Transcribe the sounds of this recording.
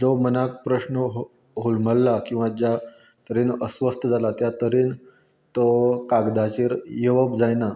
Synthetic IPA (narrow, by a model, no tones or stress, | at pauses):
d͡zɔmənak̚pɾəɕnəɦ | ɦulməlːakĩw̃ʋad͡ʑja | t̪əɾiːnəsʋəst̪ʰəd͡zalat̪jat̪əɾiːn | t̪okaɡd̪at͡ɕiːɾjeʋəbd͡zajna